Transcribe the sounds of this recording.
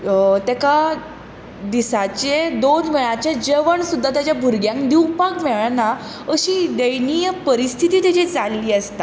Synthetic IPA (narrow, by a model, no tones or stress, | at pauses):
t̪ɛka | d̪isat͡ɕed̪onmiɭãt͡ɕed͡ʑeʋəɳsud̪ʱːat̪jat͡ɕjabʱuɾɡjãŋkd̪iwpakmɛɭna | əɕiːd̪ejnijəpəɾist̪ʰit̪iːt̪it͡ɕed͡zalliːəst̪a